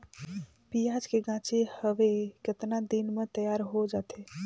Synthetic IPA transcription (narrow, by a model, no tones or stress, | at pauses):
pijad͡ʒkeɡãt͡ʃehəʋeket̪nad̪inmet̪əjaɾɦod͡ʒat̪ʰe